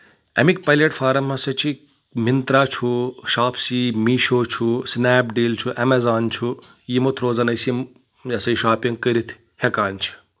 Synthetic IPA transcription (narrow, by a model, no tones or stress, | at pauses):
ɐ̰mikpɐleʈfʰaːɾɐmːɐsɐt͡ʃʰi | mint̪ɾaːt͡ʃʰuʃaːpʰsimiːʃoːt͡ʃʰusnaːpɖiːlt͡ʃʰuʔɐmezaːnt͡ʃʰu | jimot̪ʰɾoːzɐnɐjsim | jɐsɐjʃaːpiŋɡkːəɾit̪ʰ | hekaːnt͡ʃʰi̥